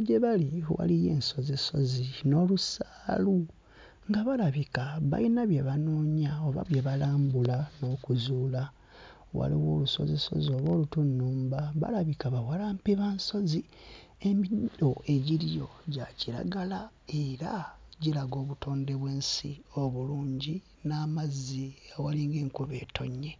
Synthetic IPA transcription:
ɟeβaliwa̰lije̞ːnso̞ziso̞zino̞ːlusalu | ŋɡaβalaβikaβa̰inaβje̞βanoːɲao̞βa̰βje̞βalaːmbulano̞ːkuzuːla | wa̰liwoːluso̞̰zeso̞̰zoːβo̞ːlutunːuːmbaβa̰laβikaβawalaːmpiβanso̞zi | emido̞ʔe̞ɟiɾijo̞ɟaciɾa̰ɡalae̞ɾaɟilaɡo̞ːβuto̞ːnde̞βwe̞ːnsḭo̞βuluːɲɟi | naːmazːieawaliːŋɡeːŋkuβe̞̰ːto̞̰ɲːe

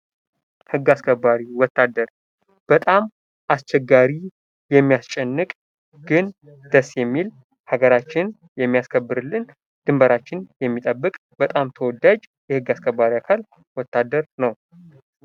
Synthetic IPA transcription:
hɨɡːaskʰəbaɾiwɔt̪ːad̪ːəɾ | b̥ət̪ʼam | ʔast͡ʃːɛɡaɾi | jɛmːijast͡ʃʼɛnːɨkʼ | ɡ̥ɨn | d̪̥əsjɛmːil | haɡəɾat͡ʃːɪn | jɛmːijaskʰəbːɨɾɨlːɨn | d̪̥ɨmbəɾat͡ʃːɪnjɛmːit̪ʼəbːɨkʼbət̪ʼamt̪ʰəwɔd̪ad͡ʒ | jɛhɨɡːaskʰəbːaɾiakʰal | wɔt̪ːad̪əɾnəw

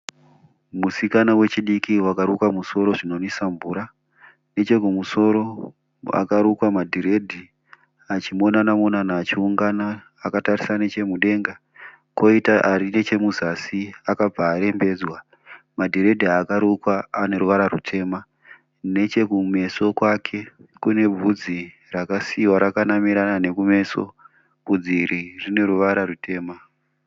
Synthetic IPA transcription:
musikanawe̞t͡ʃiɗikiwakaɾukwamuso̞ɾo̞ʐino̞nisaɱvuɾa | ne̞t͡ʃe̞kumuso̞ɾo̞ | a̰kaɾukwamadʱiɾe̞dʱi | at͡ʃimo̞nanamonanaːt͡ʃiuŋɡanaː | katarisane̞t͡ʃe̞muɗe̞ːŋɡa | kʰo̞itaʔaɾine̞t͡ʃe̞muzasiakab͡vaːɾe̞mbe̞d͡zwa | madʱeɾe̞dʱiaːkaɾukwaːne̞ɾuʋaɾarṵtʰe̞ːma | ne̞t͡ʃe̞kume̞so̞kwakʰe̞kune̞b͡vud͡zi | rakasiwaɾakanamiɾanane̞kume̞so̞̰ | bud͡ziːɾirine̞ɾuʋaɾarutʰe̞ːma

